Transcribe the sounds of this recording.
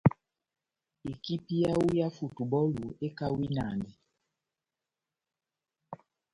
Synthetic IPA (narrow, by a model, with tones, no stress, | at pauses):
e˨ki˦pi˦ja˦wu˦ja˦fu˨tu˨bɔ˦lu˨e˦ka˦wi˦na̰˨ndɛ˨